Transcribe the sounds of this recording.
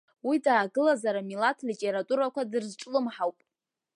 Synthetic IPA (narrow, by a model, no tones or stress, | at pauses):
widaːɡɨlazaɾamilatʰlitʼe̞ɾatʼuɾakʷʰadɨrzʈ͡ʂʼlɨmħawpʼ